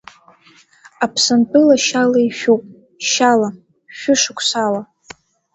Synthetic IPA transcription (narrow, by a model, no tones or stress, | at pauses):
apʰsanpʰʼɨlaʃalaiʃᶣupʼ | ʃala | ʃᶣʊʂɨkʷʰsala